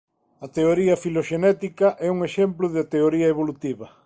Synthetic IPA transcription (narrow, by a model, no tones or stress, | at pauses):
ɐt̪eoɾiɐfiloʃenɛt̪ikɐʔɛuŋeʃemplʊðɪat̪eoɾiɐeβolut̪iβɐ